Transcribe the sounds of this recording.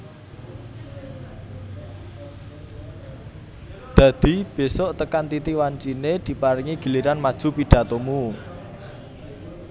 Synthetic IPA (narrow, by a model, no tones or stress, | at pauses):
d̪̥a̤d̪̥i̤b̥e̤sɔʔt̪əkant̪it̪iwant͡ʃined̪̥i̤paɾiŋiɡ̥ə̤liɾanmad̥ʒ̥ṳpiɖ̥a̤t̪omu